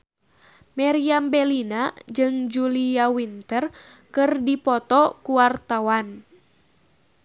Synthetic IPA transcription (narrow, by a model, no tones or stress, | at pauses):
mɛɾiambɛlinad͡ʒɨŋd͡ʒuliawint̪ər | kɨrdipɔt̪ɔkuwart̪awan